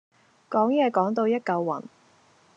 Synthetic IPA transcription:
kɔː˨˥ŋjɛː˧kɔː˨˥ŋt̪o˧wjɐ˥t̚kɐ˧wːɐ̰˨˩n

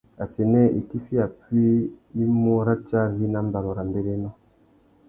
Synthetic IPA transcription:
a˨sɛ˨nɛ˦ʔi˨ki˦fi˦a˨pɥi˦i˦mo˦ɾa˦t͡ʃa˦vi˦na˦m˦ba˨lɔ˨ɾa˨mbe˦ɾe˦nɔ˦

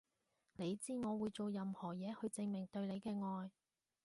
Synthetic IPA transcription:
ne˨˧jt͡siː˥ŋɔː˨˧wuː˨˧jt͡so˨wjɐ˨˧mhɔː˨˩jɛː˨˧hɵ˧ɥt͡sɪ˧ŋmɪ˨˩ŋt̪ɵ˧ɥle˨˧jkɛː˧ŋɔː˧j

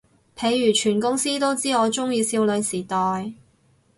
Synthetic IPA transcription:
pʰe˨˧jːyː˨˩t͡ʃʰyː˨˩nkʊ˥ŋsiː˥t̪o˥wt͡siː˥ŋɔː˨˧t͡ʃʊ˥ŋjiː˧siː˧wlɵ˨˧ɥsiː˨˩t̪ɔː˨j

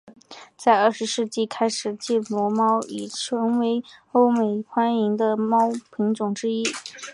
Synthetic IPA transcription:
t͡sa˥˧ɪə˞˥˩ʂɻ̩˧˥ʂɻ̩˥˧t͡ɕi˥˩kʰa˥ɪʂɻ̩˨˩t͡ɕi˥˩mwɔ˧˥mɑ˥ʊi˨˩ʈ͡ʂʰɤ˧˥ŋwe˧˥ɪo˥ʊme˨˩ɪxwa˥ni˧˥ŋd̪ə˧mɑ˥ʊpʰi˧˥ŋʈ͡ʂʊ˨˩ŋʈ͡ʂɻ̩˥i˥

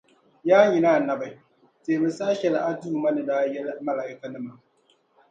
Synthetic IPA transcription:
jaː˦ɲi˨naː˦˨nɐ˨ba˨j | teː˨mɨ˨saː˦ʃɛ˨lʔa˦duː˦mɐ˦nɪ˨da˦jɛ˦lmɐ˦la˨ʔɪ˦ka˨nɨ˦ma˨

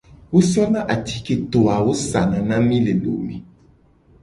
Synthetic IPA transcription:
wo˦si˦ɔ˦nã˦ʔa˨t̪i˨˦ke˦˨t̪o˨a˨wo˦sa˨nã˨nã˦mĩ˦le˨lo̰˨mḭ̃˨

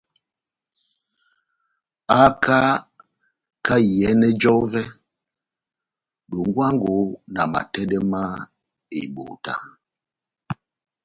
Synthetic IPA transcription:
a˦ka˦ | ka˦jɛ˨˦nɛ˦d͡ʒɔ˦vɛ˦ | ɗo˨ŋ˦ɡwa˦ŋɡo˨˦na˨ma̰˨tɛ˦dɛ˦ma˦ | e˨ɓo̰˨ta̰˦

